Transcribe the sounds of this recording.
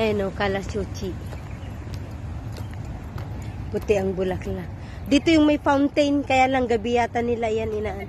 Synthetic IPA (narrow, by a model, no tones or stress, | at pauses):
ʔajnowkalasut͡ʃi | pʊt̪ɪʔɐŋbʊlakla | d̪it̪ojʊŋmɐjfawnt̪ejnkɐjalaŋɡɐbɪjaːt̪anːɪlajanɪnaʔan